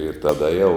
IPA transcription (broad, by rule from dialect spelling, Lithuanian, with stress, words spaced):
ɪr tɐˈdɐ jɛʊ